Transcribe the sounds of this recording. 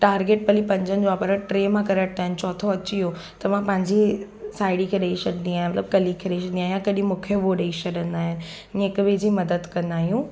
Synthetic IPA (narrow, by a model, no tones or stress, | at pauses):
ʈaːɾɡeːʈ̚pɐlipɐ̃ɲd͡ʑənɪ̆d͡ʑoʋaːpɐɾəʈɾeːmãkɐɾəʈ̚t̪aːɦɪnɪt͡ɕɔːt̪ʰoɐt͡ɕiɦo | t̪ɐmãpɐ̃ɦɪ̃ɲd͡ʑi | saːɪɽikʰeɗɐiʃɐɖnĩaːɦmɐt̪ləb̚kɐlikʰeɗeiʃəɽnijaːɦjãkɐɗĩmũːkʰjoʋoɗɐiʃɐɗə̃nd̪aːɦɪnɪ̆ | neːkbɪd͡ʑimɐd̪əd̪kɐ̃nd̪aːɦijũː